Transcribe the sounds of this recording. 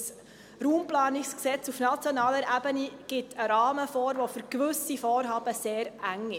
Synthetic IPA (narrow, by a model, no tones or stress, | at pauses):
s | ɾuːmplɑːnɪksksɛt͡sufnat͡sjɔnɑːləɾʔæbəniɡ̥ɪtʰəɾɑːməfɔːɾvofʏɾkʋʏsifɔːɾɦɑːb̥əseːɾʔæŋɪ